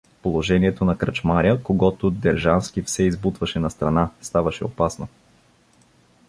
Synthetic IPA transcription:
polˠoʒɛniɛt̪onɐkɾɐt͡ʃmaɾʲəkoɡɔt̪ʊd̪ɛɾʒansk̟ifsɛizbut̪vɐʃɛnɐst̪ɾɐnast̪avɐʃɛ̰opasno

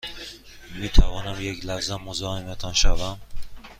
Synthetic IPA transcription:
mit̪ʰavɒːnamjekʲlahzamːozɒːhemat̪ʰanʃavam

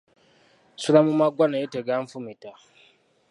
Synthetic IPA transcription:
suɾamumaɡʷanajeteɡaɱfumita

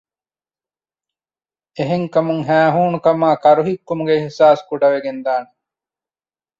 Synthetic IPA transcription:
eɦeŋkɐmuŋɦæːɦuːnukɐmaːkɐɾuɦikːumuɡeehsaːskuɖɐʋeɡend̪aːne

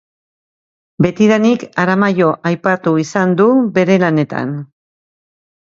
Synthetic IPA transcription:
be̞t̪iðanikaɾamajo̞ʔajpat̪uisand̪uβe̞ɾe̞lane̞t̪a̰n

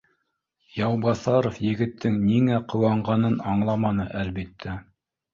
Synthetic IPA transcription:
jɑwbɑθɑɾofjɘ̆ɡɘ̆t̪ʰːɘŋniŋæqɤ̆wɑɴɢɑnɤnɑɴlˠɑmɑnɤʔælbit̪ʰːæ

